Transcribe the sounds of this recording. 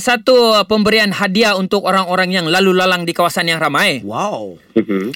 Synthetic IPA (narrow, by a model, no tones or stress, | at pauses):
sat̪upəmbəɾianɦadiaunt̪ʊkoɾaŋoɾaŋjaŋlalulalaŋdikawasanjaŋramaewaw | m̩